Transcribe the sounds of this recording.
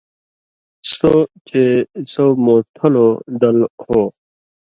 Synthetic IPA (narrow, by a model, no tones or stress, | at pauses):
sot͡ɕesomoːt̪ʰɐlod̪ɐlho